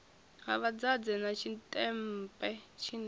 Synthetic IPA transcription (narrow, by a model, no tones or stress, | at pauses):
ɦaβad͡zad͡zɛnat͡ʃʰitʼɛm̩pʼɛt͡ʃʰin